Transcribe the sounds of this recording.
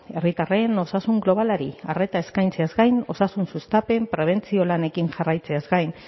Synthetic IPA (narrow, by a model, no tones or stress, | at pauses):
e̞rit̪are̞no̞sasuŋɡlo̞β̞alaɾiare̞t̪ae̞skajnt͡se̞azɡajno̞sasunsust̪ape̞mpɾe̞β̞e̞nt͡sio̞lane̞kinʝarajt͡se̞azɡajn